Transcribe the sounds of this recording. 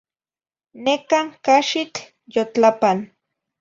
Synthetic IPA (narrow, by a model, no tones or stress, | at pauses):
nekaŋkaʃit͡ɬ | jot͡ɬapan